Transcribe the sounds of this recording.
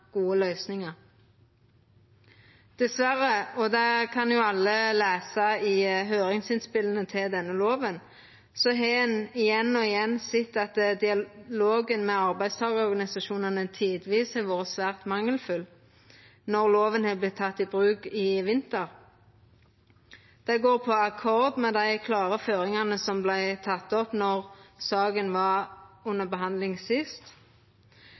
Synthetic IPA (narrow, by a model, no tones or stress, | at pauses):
ɡ̥uːəlœʏsnɪŋəʁ | d̪̥ɛsʋæʁəɔd̪ɛkʰɑnjʊɑlːəleːsɑɪɦøːʁɪŋsɪnspɪlənət̪ʰɪld̪ɛnːəloːʋən | sɔɦɛnɪjɛnːɔɪjɛnːsɪt̪ːɑt̪d̪ɪɑloːɡənmɛːɑʁbæɪd̪st̪ʰɑːɡəɔʁɡɑnɪsɑʃuːnənət̪ʰiːd̪ʋiːshɛʋoːʁəsʋæːʁt̪mɑŋːəlfʉl | nɔʁloːʋənhɛːblɪtt̪ʰːɑt̪ːɪbʁʉːkɪʋɪnt̪əʁ | d̪̥æɪɡoːʁpʰɔɑkʰɔʁd̪mɛd̪æɪkʰlɑːʁəføːʁɪŋɑnəsɔmblæɪt̪ʰɑt̪ːɔpnɔʁsɑːɡənʋɑʉnːəbəɦɑnd̪lɪŋsɪst̪